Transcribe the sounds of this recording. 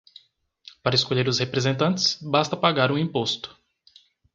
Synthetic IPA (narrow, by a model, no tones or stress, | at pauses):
paɾɐeskoʎeɾʊshepɾezẽnt̪ɐ̃nt͡ʃ̪ɪ̥sbast̪ɐpaɡaɾũĩpost̪ʊ̥